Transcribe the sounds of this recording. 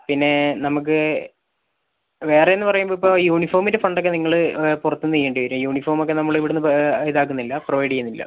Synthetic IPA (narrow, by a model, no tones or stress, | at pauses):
pinːe̞nɐmuk̬ːɨ | ʋe̞ːrenːɨpɐrɐjumboipːo̞ːjuːɳifoːrmindefɐɳɖokːeniŋːɐɭɨpurɐt̪ːunːijːeːɳɖɨʋɐɾumjuːɳifoːrmokːenɐmːɐɭiʋiɽenːɨiðaːk̬ːunːilːɐproʋɐjɽijunːilːɐ̰